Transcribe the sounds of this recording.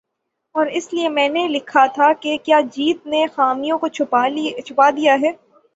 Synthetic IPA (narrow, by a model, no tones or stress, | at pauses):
ɔːɾɪsliemɛ̃ːnelɪkʰat̪ʰakekjaːd͡ʒiːt̪̚nexaːmijõkot͡ʃʰʊt͡ʃʰʊpad̪ijaɦɛː